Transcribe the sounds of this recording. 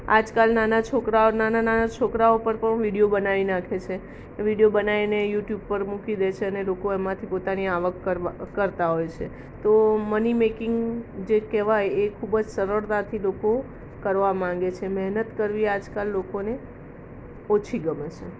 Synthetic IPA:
a̰d͡ʒkalnanat͡ʃʰokɾaonanananat͡ʃʰokɾaopəɾpəɳʋiɽijobənaʋinakʰet͡ʃʰe | ʋiɽijobənainejuʈjub̚pəɾmukid̪et͡ʃʰeənelokoemãt̪ʰipot̪aniaʋəkːəɾːəɾt̪aɦojt͡ʃʰe | t̪omənimekɪŋɡd͡ʒekɛʋajekʰubd͡ʒsəɾəɾt̪at̪ʰiloko | kəɾʋamãŋ̆ɡet͡ʃʰemɛɦnət̪kəɾʋiad͡ʒkalːokone | ɔt͡ʃʰiɡəmet͡ʃe

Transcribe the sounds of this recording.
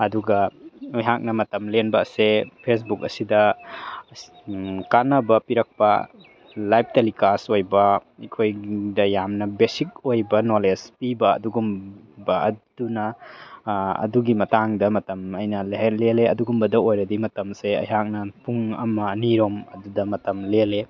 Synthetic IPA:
ɐduɡɐɐjɦak̚nɐmɐtɐmlenbɐsepʰes̬buk̚ɐsidɐ | kanɐbɐpiɾɐk̚pɐ̰ | lajp̚ʰtelikasojbɐikʰojdɐjamnɐbesik̚ojbɐnolespibɐ̰ːduɡum | bɐɐd̥unɐ | ɐ̰duɡimɐtaŋdɐmɐtɐmɐjnɐleɦeleleɐduɡumbɐdɐojɾɐdimɐtɐmseɐ̰jɦak̚nɐpuŋɐmɐniɾomɐdudɐmɐtɐmlele

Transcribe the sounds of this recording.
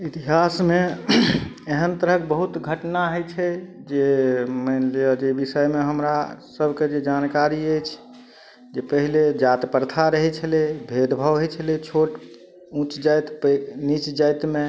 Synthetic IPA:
it̪iɦasme | eɦənt̪əɾəkebəɦut̪ɡʱəʈnaɦəjt͡ʃʰɛd͡ʒemənliəd͡ʒebisəjmeɦəmɾasəbʱked͡ʒed͡ʒankaɾiəjt͡ʃʰ | d͡ʒepəɦiled͡ʒat̪pəɾt̪ʰaɾəɦɛt͡ʃʰəlebʱed̪bʱəʋɦət͡ʃʰəlet͡ʃʰoʈ | ũt͡ʃd͡ʒajt̪pnit͡ʃd͡ʒajt̪me

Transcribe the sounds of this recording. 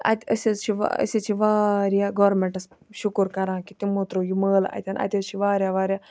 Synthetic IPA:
ɐ̰t̪ʲɐsezt͡ʃʰiʋa̰ə̰sit͡ʃʰiʋaːɾjaːɡoːɾmẽɳʈɐs | ʃukuɾkɐɾãːkit̪imoːt̪ɾojiməːlɐ̰t̪ʲɐnʔɐ̰t̪ʲezt͡ʃʰiʋaːɾʲjaːʋaːɾjaː

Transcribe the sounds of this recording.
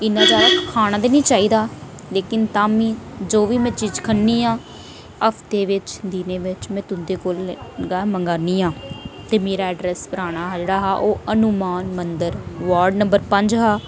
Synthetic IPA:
ɪnːãːd͡ʒaːakʰaːɽ̃aːd̪eːnĩːt͡ʃaːiːd̪aː | leːkɪnt̪aːmĩːd͡ʒoːʋiːmɛ̃ːt͡ʃiːd͡ʒkʰənːiːɦãː | əpʰt̪eːʋɪt͡ʃd̪iːneːʋɪt͡ʃmɛ̃ːt̪ʊnd̪eːkoːlɡaːməŋɡaːniːãːt̪eːmeːɾaːəɖɾɛːspəɾaːɽ̃aːɦad͡ʒeːɽaːɦaːʔoːənʊmaːnmənd̪əɾʋaːɾɖnəmbəɾpəɲd͡ʒɦaː

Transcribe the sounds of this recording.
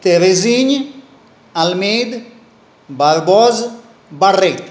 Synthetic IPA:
t̪eɾeziɲ | almed̪ | baɾbɔz | baret̪

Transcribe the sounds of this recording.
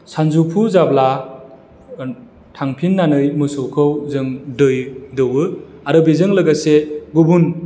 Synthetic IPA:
sanzupʰuzabla | tʰaŋpʰinːanɯjmɯsowkʰɯwzɯŋdɯjdɯwɯaɾɯbizɯŋlɯɡaseɡubun

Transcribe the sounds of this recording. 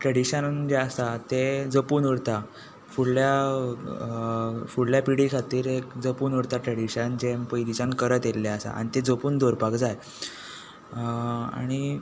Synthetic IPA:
ʈɾəɽiɕənd͡ʑeəsat̪ed͡zəpuːnuɽt̪a | fuɽlja | fuɽljapiɽikʰat̪iːɾekd͡zəpuːnuɽt̪aʈɾəɽiɕənd͡ʑempəjd̪it͡ɕãnkəɾət̪elːeəsa̰a̰ɽ̃it̪ed͡zəpuːnd̪oɾpakd͡zaj | a̰ɽ̃i

